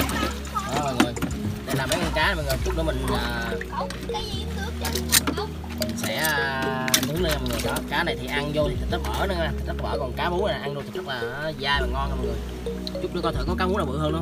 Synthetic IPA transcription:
ʔə˨˩məː˨˩ŋə˨˩jɗe˨˧˩laː˨˩mɓa˨˦ŋɔ˧˩nkaː˨˦˨mː˨˩ŋɨː˨˩t͡ɕʊ˦˥k͡p̚ɗo˧˦mï˨˩ŋ̟ʔəː˨˩ | kaː˨˦i˧˨ŋɨ˨˦˥ | mi˨˩ŋ̟sɛ̰˧˥˨t̪ɨ˨˦ŋle˧naː˨˩mɔ̰˨ŋɨ˨˩ʔɔ˧˨˩kaː˨˦na˨˩jt̪i˨˩ʔa˧ŋzo˧t̪ʰi˨˩t̪i˨˩t̪ə˦˥k̚əː˧˩nə˨˦maː˧˩t̪ʰi˨˩zə˦˥k̚və̰ː˧˩kɔ˨˩nkaː˨˦mu˨˦˥a˨˩ʔa˧ŋɗo˧t̪ʰi˨˩zə˦˥k̚laː˨˩˨zaː˧jvaː˨˩ŋɔ˧nkaː˨˩mɔ̰˨ŋɨ˨˩ə | t͡ɕʊ˦˥k͡p̚ɗ̰kɔ˧t̪ə˨˧˩kɔ˨˦kaː˨˦mu˨˦˥naː˨˩vɨ̰˧˨ɦəː˧nɨ̰˧˦

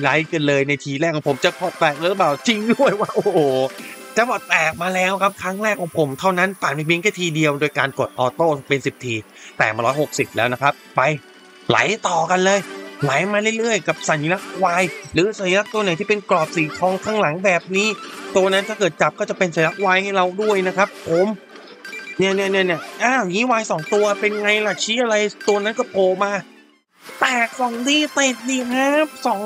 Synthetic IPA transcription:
la˨˦˥jka˧nlɤː˧jna˧jt̪ʰiː˧lɛː˥˩kʰːɔ˨˧˦pʰmt͡ɕa˨˩kʰɔː˧˩t̪ɛː˨˩k̚lːɾpaː˨˩wt͡ɕi˧ŋdu˥˩əjwaː˥˩ʔo˨oː˨˩t͡ɕa˧˩˦bɔː˨˩t̪ɛː˨˩k̚maː˧lɛː˦˥wkʰa˦˥p̚kʰɾa˦˥ŋɾɛː˥˩kʰːɔː˨˩˦ŋpʰo˩˦mt̪ʰa˥˩wna˦˥npaː˨˩ma˧pi˧əŋk̪ʰɛ˥˩t̪ʰiː˧di˧əwdoː˧jkaː˧nko˨˩t̪̚ʔɔː˧t̪oː˥˩pe˧nsi˨˩p̚t̪ʰiː˧ | t̪ɛː˨˩maː˧ɾɔː˦˥jho˨˩k̚si˨˩p̚lɛː˦˥wna˦˥kʰa˦˥p̚pa˧j | la̰˨˦jt̪ɔː˨˩ka˧nlɤː˧jla˨˩˦jmaː˧lɯ˥˩jlɯ˥˩əjka˨˩p̚sa˨˩ni˦˧la˦˥k̚waː˧jɾɯː˨˦sa˨˩˦ji˦la˦˥t̪u˧na˨˩˦jt̪iː˥˩pe˧nklɔː˨˩p̚siː˨˩˦t̪ʰɔː˧˥ŋkʰaː˥˩ŋla˩˦ŋbɛː˨˩p̚niː˦˥t̪u˧ɐna˦˥t̪ʰaː˥˩kɤː˨˩t̪̚t͡ɕa˨˩p̚kɔː˥˩t͡ɕa˨˩pe˧nsa˨˩˦la˦˥k̚waː˧jha˥˩jɾa˧wdu˥˩əjna˦˥kʰɾa˦˥pʰːo˨˩˦m | ni˧˩ni˧˩ni˧˩ni˧˩ʔaː˧˩ɔ˨˩ŋiː˦˥waː˧jsɔː˩˦ŋt̪u˧ɐpe˧nŋa˧jla˨˩t͡ɕʰiː˦˥ʔa˧ɾa˧jt̪u˧ɐna˦˥nkɔ˥˩pʰoː˨˩maː˧ | t̪ɛː˨˩k̚sɔ˨˩˦ŋdiː˧˩t̪eː˨˩t̪̚niː˧˩haː˦˥psɔː˨˦ŋ

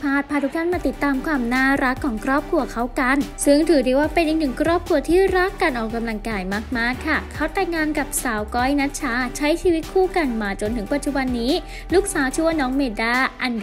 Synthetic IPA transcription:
pʰaː˥˩t̪̚ʰaː˧˩t̪ʰu˦˥kt̪ʰa˥˩nmaː˧t̪i˨˩t̪ːaː˧mkʰwaː˧mnaː˥˩ɾa˦˥kʰːɔː˩˦ŋkʰɾɔː˥˩p̚kʰɾu˧ɐkʰa˦˥wka˧nsɯ˥˩ŋt̪ʰɯː˩˦diː˧˩waː˥˩pe˧nʔi˨˩k̚nɯ˨˩ŋkʰɾɔː˥˩p̚kʰɾu˧ɐt̪ʰiː˥˩ɾa˦˥kːaː˧nʔɔː˨˩kːa˧mla˧ŋkaː˧jmaː˦˥˩k̚maː˥˩kʰːa˥˩kʰa˦˥wt̪ɛː˧˩ŋaː˧nka˨˩p̚saː˩˦wkɔː˦˥jna˦˥t̪̚t͡ɕʰaː˦˥t͡ɕʰa˦˥jt͡ɕʰiː˧wi˦˥t̪̚kʰuː˥˩ka˧nmaː˧˩t͡ɕo˧nt̪ʰɯ˨˩˦ŋpa˨˩t̪̚t͡ɕu˨ba˧nːiː˦˥ | lu˦˥k̚saː˨˦wt͡ɕʰu˧˥˧nɔː˦˥ŋmeː˧daː˧˥˩ʔa˧n

